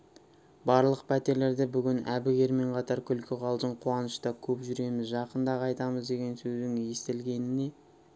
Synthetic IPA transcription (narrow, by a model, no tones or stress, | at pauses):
bɑɾlˠəq̚pʰæt̪e̞ɾle̞ɾd̪ɪbʏɡʲɪnæ̰bɪɡʲe̞ɾme̞ɴqʰɑt̪ɑɾkʲʰʏlkʲɪqʰɑlˠd̪əɴqʰuɑnəʃt̪ɑkʲʰɵpʒʏɾe̞mɪzʒɑqənd̪ɑqʰɑjt̪ɑməzd̪e̞ɡʲe̞nsɵzd̪ɪŋje̞st̪ɪlɡʲe̞nɪne̞